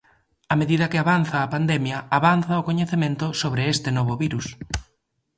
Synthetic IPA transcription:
ɐmeðiðɐkɪaβanθɐːpand̪ɛmjɐaβanθɐʊkoɲeθemẽnt̪ʊsoβɾeest̪ɪnɔβʊβiɾus

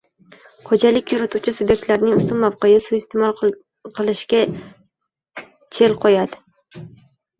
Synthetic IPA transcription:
qod͡ʒalɪkʲjʊɾɪt̪ʰuwt͡ʃʰɪsubje̞k̚t̪laɾnɪŋʊst̪ʊnmawqejɪsʊɪst̪ʰemɒlˠ | qʰɨlˠɪʃkʲa | t͡ʃʰe̞lqʰojad̪ɪ

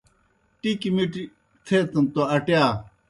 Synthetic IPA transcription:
ʈikimiʈi | t̪ʰet̪ɐnt̪oɐʈjaː

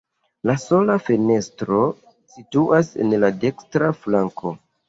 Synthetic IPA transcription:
laso̞lafene̞stɾo̞ | situʔase̞̰nlade̞kstɾaflaŋko̞

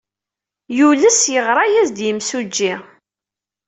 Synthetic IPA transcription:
juləsjəʁɾˤɑjæzd̪jəmsud͡ʒːi

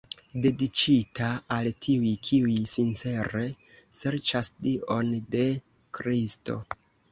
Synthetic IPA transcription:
de̞dit͡ʃitaːltʰiujkʰiujsint͡se̞ɾe̞ | se̞ɾt͡ʃasdiʔo̞nde̞ | kɾisto̞̰

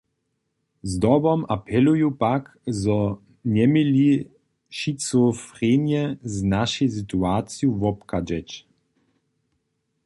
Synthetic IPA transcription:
zd̪ɔbɔmapʰɛlujupakzɔ | nɛmili | ʃit͡sofʁenjɛznaʃɛsit̪uaːt͡sjuvɔpkad͡ʒɛt͡ʃ

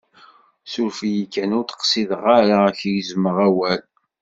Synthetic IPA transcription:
suɾfijikːænʊɾt̪ə̥qsiðəʁaɾaçjzməʁæwæl

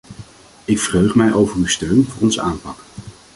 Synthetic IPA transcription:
ɪkfərøɥχmɛjʔowvərywstøɥnvʊːrɔnzəaːmpɑk

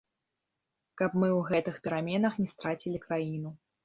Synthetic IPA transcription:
kɐpmɨwɣɛt̪ɨxpʲɛɾamʲɛnɐxnʲɛst̪ɾat͡sʲilʲikɾajinu

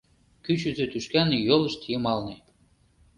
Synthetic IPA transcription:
kyt͡ɕyzøt̪yʃkænejolɤ̆ʃt̪ʰijɤmɑlne

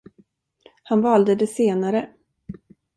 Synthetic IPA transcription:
hanvɑːld̪əd̪ɛseːnaɾə

